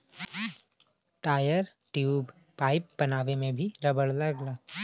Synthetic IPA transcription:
ʈaːjəɾ | ʈjuːb | paːɪp̚bɐnaːʋemẽbʱiɾɐbəɽlɐɡlaː

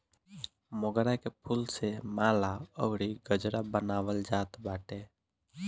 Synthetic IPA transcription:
moɡɾakepʰulsemaːlaɔ̰ɡɽiɡəd͡ʒɾabənaːʋəld͡ʒaːt̪baːʈeː

